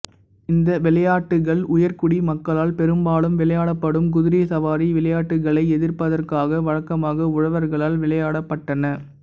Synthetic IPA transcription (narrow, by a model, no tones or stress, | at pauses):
ɪnd̪ɐʋɪlɐjaːʈːɯɣɐɭʊjɐɾkʊɽimɐkːɐɭaːlpɛɾɯmbaːlɯmʋɪlɐjaːɽɐpːɐɽɯmk̬ʊðɪɾɪjɐsɐʋaːɾiʋɪɭɐjaːʈːɯɣɐɭɐɪɛðɪɾpɐðɐrkaːɣɐʋɐɻɐkːɐmaːɣɐʊɻɐʋɐɾɣɐɭaːlʋɪlɐjaːɽɐpːɐʈːɐnɐ